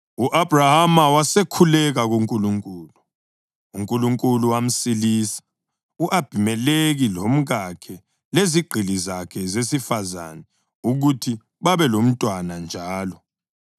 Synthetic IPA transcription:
uʔab̥rahamawasekʰulɛɣaɣuŋkʼuluŋkʼuːlu | uŋkʼuluŋkʼuluwam̩silisḁ | uʔab̥ʱimɛleɣilom̩ɣakʰɛ | leziɡ͡ǃʱilizakʰɛzesifaza̰nɛ | uɣutʰi | βaβɛlom̩tʼwanand͡ʒʱaːlɔ

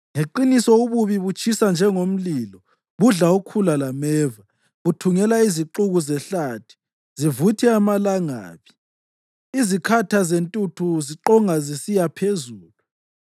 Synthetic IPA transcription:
ŋeǃinisɔuβuβiβut͡ʃʰʼisand͡ʒʱɛŋom̩liːlɔ | βuɮaukʰulalamɛːva | βutʰuŋɛlaiziǃuɣuzɛɬatʰi̥ | zivutʰɛamalaŋa̰ːβi̥ | izikʰatʰazentʼutʰuziǃɔŋazisijapʰezuːlu

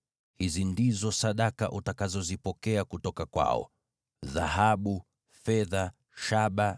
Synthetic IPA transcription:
hizindizɔsaɗaka̰ʔutakazɔzipɔkɛakutɔkakwa̰ɔ̰ | ða̰haɓu | fɛða | ʃaɓa

